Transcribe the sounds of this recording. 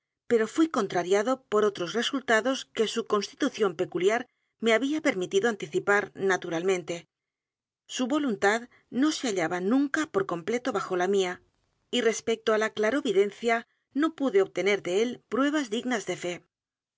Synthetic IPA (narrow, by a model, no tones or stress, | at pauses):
pe̞ɾo̞fwiko̞nt̪ɾaɾjaðo̞po̞ɾo̞t̪ɾo̞sre̞sult̪aðo̞ske̞suko̞nst̪i̥t̪uθjo̞mpe̞kuljaɾ | me̞aβiape̞ɾmit̪iðoant̪iθipaɾnat̪uɾalmẽnt̪e̞ | suβo̞lunt̪að | no̞seaʎaβanũŋkapo̞ɾko̞mple̞t̪o̞βaxo̞lamia | ire̞spe̞k̚t̪oalaklaɾo̞βiðe̞nθja | no̞puðe̞oβ̚t̪e̞ne̞ɾðe̞e̞lpɾwe̞β̞azðiɣnazðe̞fe̞